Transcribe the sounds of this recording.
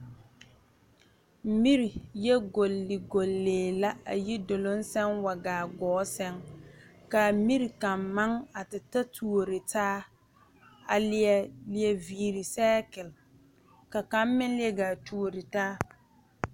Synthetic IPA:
mi˦ɾi˨jɛ˦ɡo˨lːɪ˨ɡo˨lːeː˨la˦a̰˨ji˦do˨lo˦nsɛ˦ŋwa˨ɡaː˨ɡɔː˦sɛ˦ŋka˨mi˦ɾi˨ka˨mːa˦ŋa˨tɪ˨ta˦tʰu˨o˨ɾɪ˨taː˦ | a˨lɪ˦˨ɛ˨lɪ˨ɛ˨viː˨ɾi˨sɛː˦kɪ˨l | ka˨ka˨˦m˦mɪ˦nlɪ˦ɛ˦ɡaː˨tu˦˨o˨ɾɪ˨taː˦

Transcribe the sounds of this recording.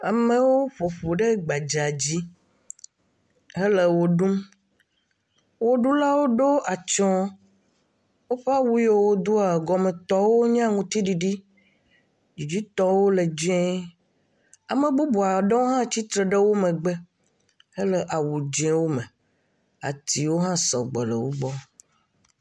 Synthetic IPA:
a˨mẽ˦wo˦ɸo˨ɸo˨ɖe˦ɡ͡ba˨d͡ʒa˨d͡ʑi˦ | e˦le˨wo˦ɖu˦m | wo˦ɖu˦la˦wo˦ɖo˦ʔa˨t͡ʃɔ̃˦ | wo˦ɸe˦a˦wu˦je˦wo˦d̪u˦a˨ɡɔ˨me˨t̪ɔ˦wo˦ɲ˦ã˦ŋũ˨t̪i˦ɖi˨ɖi˦ | d͡ʒi˨d͡ʑi˦t̪ɔ˦wo˦le˨d͡ʒẽ˦ | a˨mẽ˨ɡ͡bu˦bu˨a˨ɖe˦wo˦ɦã˦t͡ɕi˦t̪ɾe˨ɖe˦wo˦mẽ˨ɡ͡be˦ | e˦le˦ʔa˨wu˨d͡ʒɛ̃˦wo˦me˨ | a̰˨t̪i˨wo˦ɦã˦sɔ˨ɡ͡be˨lə̰˨wo˦ɡ͡bɔ˦

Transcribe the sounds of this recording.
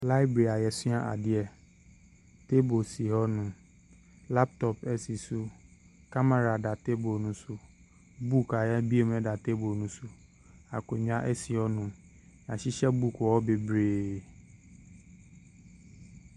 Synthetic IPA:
la˦ɪ˦bɾe˨a˨jɛ˨sʊ̃˦a˦ʔa̰˨dɪ˦ɛ˨ | te˦bo˨si˨ɦɔ˦nũ˨ | la˦p̚t̪ɔ˨pɛ˦si˨su˦ | ka˦ma˦˨ɾa˨da˨te˦bo˨nũ˨su˦ | bu˦ka˨ja˦bi˦e˨m˦ɛ̃˦da˨te˦bo˨nũ˨su˦ | a˨ko˨ɲ˦a˦ʔɛ˦si˨hɔ˦nũ˨ | nã˨ɕi˦ɕɛ˦bu˦kɔ˨ɔ˦be˨bɾeː˨

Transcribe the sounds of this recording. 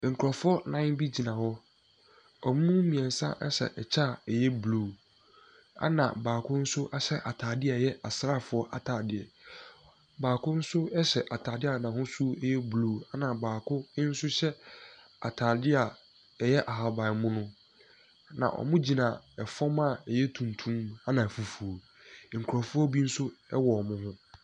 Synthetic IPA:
ŋ̩˨kʰɾɔ˨fʊ˦ɔ˦nã˦bi˦d͡ʑi˨nã˨hɔ˦ | ɔ˨mũ˦mĩ˨ɛ̃˨n˨sã̰˦ʔɛ̰˦ɕɛ̰˨ʔɛ˨t͡ɕʰaː˦˨ɛ˨jɛ˦bluː˨ | a̰˦nã̰˨baː˨kʰʊ̃˦n̩˦sʊ˦ʔɛ˦ɕɛ˦ʔa˨tʰaː˨dɪ˦a˨jɛ˦ʔa˨sɾa˦˨fʊ˨ɔ˦ʔa˨tʰaː˨dɪ˨ɛ˨ | baː˨kʰʊ̃˦n̩˦sʊ˦ɛ˦ɕɛ˨ʔa˨tʰaː˨dɪ˦a˨nã˨hʊ̃˦su˦jɛ˦blu˨a˦nã˨baː˨kʰʊ˦n̩˦sʊ˦ɕɛ˦ | a̰˨tʰaː˨dɪ˦a˨ | ɛ˨jɛ˦ʔa˨ɦa˨ba˨mʊ̃˦nʊ̃˦ | nã̰˨ʔɔ̰˨mʊ̃˦d͡ʑi˨nã˨ɛ˨fɔ˦mã˦˨ɛ˨jɛ˦tʰũ˨ntʰũ˦ma˦nã˨fu˨fu˨o˨ | ŋ̩˨kʰɔ˨fʊ˦ɔ˦bi˦n̩˦sʊ˦ɛ˦wɔ˨mʊ̃˦hʊ̃˦

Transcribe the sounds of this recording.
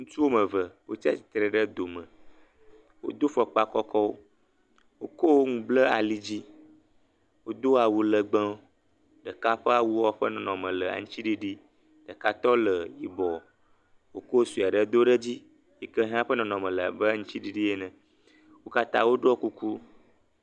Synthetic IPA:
ŋũ˦t͡ʃu˦wo˦mə̃˨və˨wo˦t͡ʃi˦a˦si̥˨t̪ɾɛ˨ɖə˦d̪o˨mə̃˨ | wo̰˦d̪o˦fɔ˨k͡pa˦kɔ˦kʰɔ˦wo˦ | wo˦ko˦wo˦ŋũ˨blə˦a̰˨li˦d͡ʑi˦ | wo˦d̪o˦a˨wu˨lə˨ɡ͡bə̃˦ | ɖə˨ka˦ɸə˦a˨wu˦wɔ˦ɸə˦nɔ̃˨nɔ̃˨mə̃˨lə˨a̰˨ŋũ˦t͡ɕi˦ɖi˦ɖi˦ | ɖ̥ə˨ka˦t̪ɔ˦lə˨ji˨bɔ˨ | wo˦ko˦o˦su˨a˨ɖə˦d̪o˦ɖə˦d͡ʑi˦ | ji˨kə˦ɦã˦ɸə˦nɔ̃˨nɔ̃˨mə̃˨lə˨bə˦ŋũ˦t͡ɕi˦ɖi˦ɖi˦je˦nɛ̃˨ | wo˦ka˦t̪ã̰˦wo˦ɖɔ˦ku˦ku˦

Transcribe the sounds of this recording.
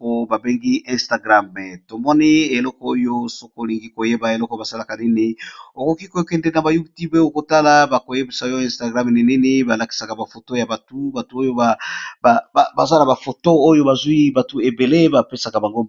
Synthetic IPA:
ko˦ba˨be˦ŋɡi˦ɛ̃˦˨sta˨ɡʁa˦mɛ˨to˨mɔ˦nɛ˦e˨lɔ˦kɔ˦o˦jo˦so˦ko˦˨li˨ŋɡi˦ko˨je˦ba˨e˨lɔ˦kɔ˦ba˨sa˦la˨ka˨nɛ˦ne˦o˨ko˨ki˦ko˨o˦kɛ˨nde˨na˨ba˨ju˦tu˦be˦o˨ko˨ta˦la˨ba˨ko˨je˦be˨sa˨jo˦ɛ̃˦sta˨ɡʁa˦m˨nɛ˨nɛ˦ne˦ba˨la˨ki̥˦sa˨ka˨ba˨fo˨to˦ja˨ba˨tu˦ba˨tu˨˦o˦jo˦ba˨ba˨ba˨ba˨za˦na˨ba˨fo˨to˦o˦jo˦ba˨zwi˦ba˨tu˨e˨be˨le˦ba˨pe˦sa˨ka˨ba˨ŋɡo˦

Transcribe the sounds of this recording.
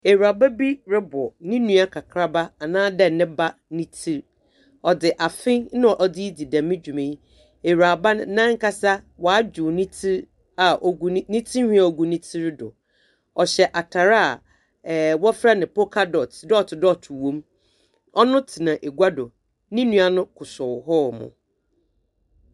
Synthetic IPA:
e˨ɾa˨ba˦bi˦ɾɪ˦bʊ˨nɪ̃˦nũ˦a˦kʰa˨kʰɾa˦ba˦a˨nãː˦dɛ˦nɪ̃˦ba˦nɪ̃˦tʰi˦ɾ | ɔ˨dɪ˨ʔa˨fɪ̃˦nʊ̃˦ɔ˨ʔɔ˨dɪ˦i˦di˨dã˨mːɪ̃˦d͡ʑᶣu˨mẽ˨˦ | e˨ɾa˨ba˦n˨˦nã˦ŋ̩˦ka˦sa˦wa˨˦d͡ʑᶣʊ˨nĩ˦tʰi˦ɾ | a˨ʔɔ˨˦nĩ˦tʰi˦hĩ˦a˨o˨ɡu˨nĩ˦tʰi˦ɾɪ˦dʊ̰˨ | ɔ˨ɕɛ˨ʔa˨tʰa˨ɾa˦a˨ | wɔ˦fɾa˦nɪ̃˨po˦kʰa˦dɔ˨tʰdtɪ˨dɔ˦˨tʰʊ˨wõ˦m | ɔ˦nʊ̃˦tʰi˨nã˨ʔe˨ɡʷa˦dʊ˨ | nɪ̃˦nũ˦a˦nʊ̃˦kʰʊ˨sʊ˨ɦɔ˦˨mʊ̰̃˨

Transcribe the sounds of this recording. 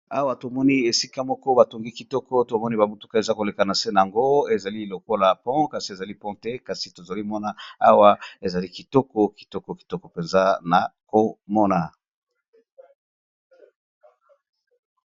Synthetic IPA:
a˦wa˦to˨mɔ˦ni˦e˨si˦ka˦mɔ˦kɔ˦ba˨to˨ŋɡi˦ki˨tɔ˦kɔ˦to˨mɔ˦ni˦ba˨bu˦tu̥˦ka˦e˨za˦ko˨le˨ka˨na˨se˦na˨a˨ŋɡo˦e˨za˨li˦lo˨ko˦la˨pɔ̃˦ka˨si˨e˨za˨li˦pɔ̃˦tɛ˦ka˨si˨to˨za˨li˦mɔ˦na˦a˦wa˦e˨za˨li˦ki˨tɔ˦kɔ˦ki̥˨tɔ˦kɔ˨ki̥˨tɔ˦kɔ˨pe˨nza˦na˨ko˨mɔ˦na˨

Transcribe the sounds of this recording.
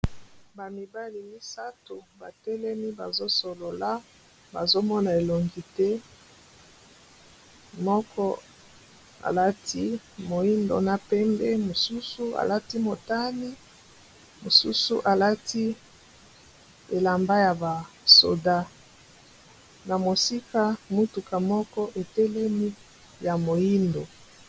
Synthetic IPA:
ba˨mi˨ba˦li˨mi˦sa˦tu˨ba˨tɛ˦lɛ˦mi˦ba˨zo˦so˨lo˨la˦ | ba˨zo˦mɔ˦na˨e˨lo˨ŋɡi˨tɛ˦ | mɔ˦kʰɔ˦ | a̰˨la˦ti˦ | mo˨i˦ndo̰˨na˦pɛ˦mbɛ˦mo˨su˦su˦a̰˨la˦ti˦mo˨ta˦ni˦ | mo˨sṵ˦sṵ˦ʔa˨la˦ti˦ | e˨la˨mba˦ja˨ba˨ | so̰˨da˦ | na˨mo˨si˦ka˦mu˦tu˨ka˨mɔ˦kɔ˦ʔe˨tɛ˦lɛ˦mi˦ | ja˨mo˨i˦ndo˨

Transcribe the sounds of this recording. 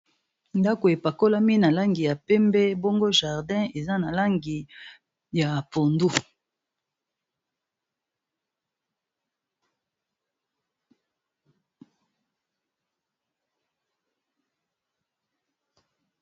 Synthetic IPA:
nda˦ko˨e˨pa˨ko˦la˦mi˦na˨la˦ŋɡi˨ja˨pɛ˦mbɛ˦bo˦ŋɡo˦ʒa˨ʁdɛ̃˦e˨za˦na˨la˦ŋɡi˨ | ja˨po˨ndu˦

